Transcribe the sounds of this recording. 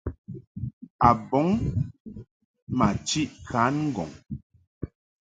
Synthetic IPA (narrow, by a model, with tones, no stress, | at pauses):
a˨bɔ˨˦ŋ | ma˨t͡ʃi˦ʔkʰa˨˦nŋ̩˦ɡɔ̰˨ŋ